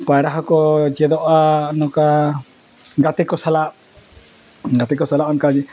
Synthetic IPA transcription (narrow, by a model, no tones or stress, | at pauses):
pajɾaɦɔkɔd͡ʒɛd̪ɔʔanɔka | ɡat̪ɛkɔsalaʔ | ɡat̪ɛkɔsalaʔɔnkad͡ʒi